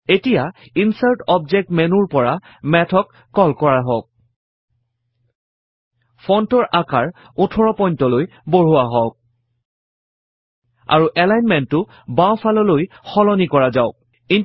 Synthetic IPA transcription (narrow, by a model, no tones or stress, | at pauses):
etija | insaɹtɔbzɛk̚tmenuɹpɔɹa | mɛtʰɔkːɔlkɔɹaɦɔk̚ | pʰɔntɔɹʔakaɹ | ʊtʰɔɹɔpɔjntɔloj | boɹ̤uwaɦɔk̚ | a̰ɹuʔɛlajnmɛntːʊ | baw̃pʰalɔloj | xɔlɔnikɔɹazaʊ | in